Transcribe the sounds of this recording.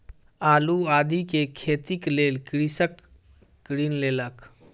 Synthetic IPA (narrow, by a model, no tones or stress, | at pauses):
aːluaːd̪ʱikekʰeːt̪ikleːlkɾisəkː | ɾiːnleːlək